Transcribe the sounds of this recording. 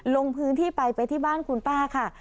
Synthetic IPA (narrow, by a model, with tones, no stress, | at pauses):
lo˧ŋpʰɯː˦˥nt̪ʰiː˥˩pa˧jpa˧jt̪ʰiː˥˩baː˥˩nkʰu˧npaː˥˩kʰa˥˩